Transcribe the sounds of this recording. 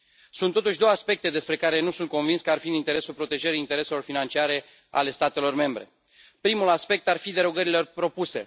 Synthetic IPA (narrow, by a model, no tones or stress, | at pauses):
sunt̪ːo̞t̪uʃʲd̪o̞wəaspe̞k̚t̪e̞d̪e̞spɾe̞kaɾe̞nusunt̪̚ko̞nvinskəarfiɨnint̪e̞ɾe̞sulpɾo̞t̪e̞ʒeɾiint̪e̞ɾe̞se̞lo̞rfinant͡ʃiaɾe̞ | a̰le̞st̪at̪e̞lo̞rme̞mbɾe̞̰ | pɾimulaspe̞k̚t̪arfid̪e̞ɾoɡəɾilepɾo̞puse̞